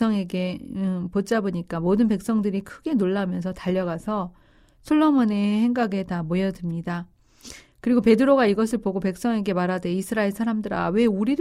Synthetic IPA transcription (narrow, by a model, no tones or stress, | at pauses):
ʌŋeɡe̞pot͡ɕ͈aboɲik͈amodɯnpe̞k̚s͈ʌŋdɯɾikʰɯɡe̞noɭːamjʌnsʰʌtaʎːʌɡasʰʌ | sʰoɭːomone̞he̞ŋɡaɡe̞tamojʌdɯmɲida | kɯɾiɡope̞dɯɾoɡaiɡʌsʰɯɭpoɡope̞k̚s͈ʌŋe̞ɡe̞maɾade̞isʰɯɾaeɭsʰaɾamdɯɾa̰we̞uɾiɾ